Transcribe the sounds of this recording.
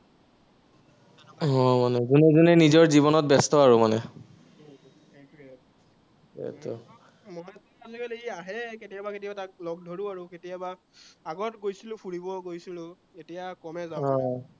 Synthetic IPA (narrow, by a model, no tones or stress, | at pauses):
ɔmanɛzunɛzunɛnizɔɹzibɔnɔt̚bɛstɔaɹumanɛ | k | ɛ̰tɔ | mɔnɛtɔazɔkɛleiaɦɛketijabaketijaatak̚lɔɡ̚dʱoɹʊaɹuketijaba | aɡɔtɡojsilʊ̃pʰuɹibɔɡojsilʊ̃ | etijakɔmɛzaɔ̃